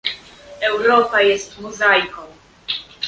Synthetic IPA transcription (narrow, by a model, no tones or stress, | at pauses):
ɛwɾɔpajɛst̪muzajkɔ̃w̃